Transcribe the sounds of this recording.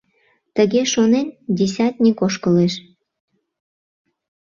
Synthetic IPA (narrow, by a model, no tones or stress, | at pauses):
t̪əɣeʃonendʲes̬ʲɑt̪̚ʲnʲikoʃkəleʃ